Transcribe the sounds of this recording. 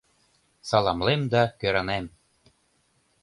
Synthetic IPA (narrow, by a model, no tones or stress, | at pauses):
sɑlˠɑmlemd̪ɑkøɾɑnem